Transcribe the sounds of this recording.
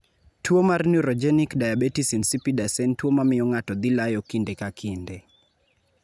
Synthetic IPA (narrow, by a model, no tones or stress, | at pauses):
twomarnuɾɔd͡ʒɛnikdajabetisinsipidasɛntwomamɪjɔŋatɔd̪ilajɔkindekakʰinde